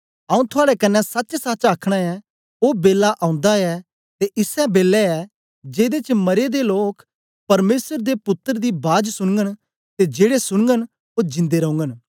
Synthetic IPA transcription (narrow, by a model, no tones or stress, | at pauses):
ɐũt̪ʰʊaːɽɛkɐnːɛsɐtːt͡ʃsat͡ʃaːkʰɽ̃aɛ | oːbeːlːaʔãːʊ̃nd̪aɛ | t̪eʔɪsɛbeːlɛɛ | d͡ʒeːd̪et͡ʃmɐɾed̪eloːkʰ | pɐɾmeːsəɾd̪epʊt̪ːəɾd̪ibaːd͡ʒsʊɽ̃ŋɡəñ | t̪ed͡ʒeːɽesʊɽ̃ŋɡən | od͡ʒɪ̃nd̪eɾɐ̃ũŋɡən